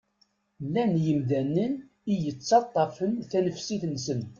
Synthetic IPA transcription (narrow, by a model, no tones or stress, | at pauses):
lːænjəmðænːən | ijət͡sːɑt̪ˤːɑfənθænəfsiθnsənt̪